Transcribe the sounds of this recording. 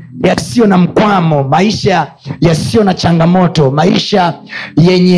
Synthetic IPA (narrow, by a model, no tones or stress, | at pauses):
jasijɔnam̩kwamɔmaiʃajasijɔnat͡ʃaŋɡamɔtɔmaḭʃajɛɲɛ